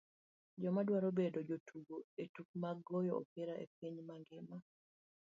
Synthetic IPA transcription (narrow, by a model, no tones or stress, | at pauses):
d͡ʒɔmadwaɾobedod͡ʒotuɡoetuk̚maɡɔjɔɔ̰peɾaʔḛp̚iɲmaŋɡɪma